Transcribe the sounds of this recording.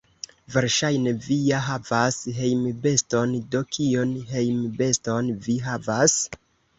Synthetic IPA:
ve̞ɾʃajne̞vijaɦavasɦe̞jmbe̞sto̞ndo̞kʰio̞nɦe̞jmbe̞sto̞nviɦavas

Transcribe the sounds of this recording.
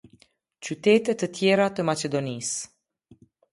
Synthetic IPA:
t͡ʃut̪et̪et̪ət̪jeɾat̪əmat͡ʃed̪onis

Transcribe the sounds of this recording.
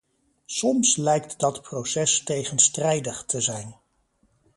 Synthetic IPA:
sɔmslɛjk̚tdɑtprowsɛstejχənstrɛjdəχtʰəzɛjn

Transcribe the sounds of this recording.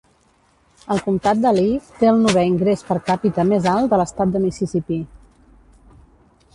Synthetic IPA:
əlˠkumt̪at̪̚d̪əlift̪eəlˠnuβɛiŋɡɾespəɾkapit̪əmezalˠd̪ələst̪at̪̚d̪əmisisipi

